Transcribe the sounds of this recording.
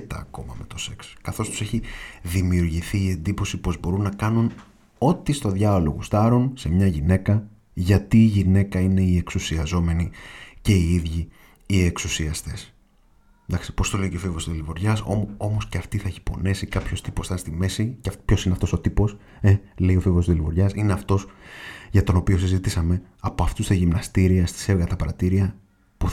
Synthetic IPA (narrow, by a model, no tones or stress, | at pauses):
t̪ɐ̰ːko̞̰mɐme̞t̪o̞se̞kskɐθo̞st̪u̥se̞çiðimiuɾʝiθiːe̞nd̪ipo̞sipo̞zbo̞ɾunːɐkɐnun | o̞t̪ist̪o̞ðʝɐlo̞̰ɣost̪ɐɾunse̞mɲɐʝine̞kɐ | ʝɐt̪iːʝine̞kɐine̞ie̞ksusiɐzo̞me̞nice̞iiðʝiː | e̞ksusiɐst̪e̞s | d̪ɐksi̥po̞st̪oleiceofivost̪ðelivoɾʝɐsoo̞mo̞sceɐft̪iθɐeçi̥po̞̰ne̞sikɐpço̞st̪ipo̞sθɐnst̪ime̞sicpço̞sineɐft̪o̞so̞t̪ipo̞s | ele̞io̞fivosðelivoɾʝɐsineɐft̪o̞sʝɐt̪o̞no̞pio̞sizit̪isɐme̞ɐpo̞ɐft̪ust̪ɐʝimnɐst̪iɾiɐst̪i̥se̞ɾɣɐt̪ɐpɐɾɐt̪iɾiɐ | pu